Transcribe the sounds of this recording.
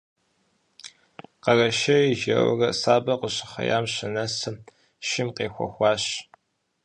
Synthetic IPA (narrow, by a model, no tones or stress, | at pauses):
qɐrɐʃɐiʒɐ̰w̰rɐsaːbɐqəɕɪχɐ̰ja̰ːmɕɪnɐsɨ | ʃɪmqeːxʷɔ̰xʷɑːɕ